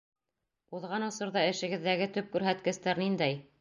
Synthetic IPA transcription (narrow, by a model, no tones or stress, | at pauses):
uðʁɑnɤ̆sɤ̆ɾðɑɘ̆ʃɘ̆ɡɘ̆ðːæɡɘt̪ɵp̚kʉɾɦæt̪kɘ̆st̪æɾnind̪æj